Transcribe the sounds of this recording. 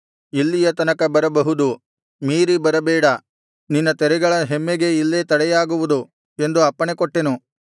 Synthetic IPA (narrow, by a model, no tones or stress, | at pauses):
ilːijɐt̪ɐnɐkɐbɐɾɐbɐɦud̪u | miːɾibɐɾɐbɛːɽɐ | ninːɐt̪ɛɾɛɡɐɭɐɦemːeɡe̞ilːet̪ɐɽɛjaːɡuʋud̪u | e̞nd̪uɐpːɐɳekoʈːenu